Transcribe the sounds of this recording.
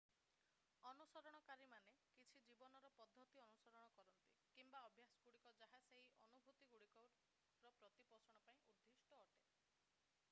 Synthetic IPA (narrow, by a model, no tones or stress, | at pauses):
ɔnusɔɾɔɽ̃ɔkaɾimanekit͡ʃʰid͡ʒibɔnɔɾɔpɔd̪ʱːɔt̪iɔnusɔɾɔɽ̃ɔkɔɾɔnt̪ikimbaɔbʱjasɔɡuɽikɔd͡ʒaɦaseɦiʔɔnubʱut̪iɡuɽikɔ | ɾɔpɾɔt̪ipɔsɔɽ̃ɔpaĩʔud̪ʱːisʈɔːʈe